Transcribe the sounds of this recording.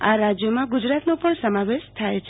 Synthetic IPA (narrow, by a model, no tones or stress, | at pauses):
a̰ɾad͡ʒjəmãɡud͡ʒɾat̪nopəɳsəmaʋeʃt̪ʰajt͡ʃʰ